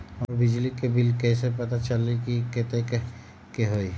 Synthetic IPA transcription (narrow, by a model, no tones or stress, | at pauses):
ɔɾbɪd͡ʒlikebilkɛːsepət̪at͡ʃəlikiket̪ek | keɦoi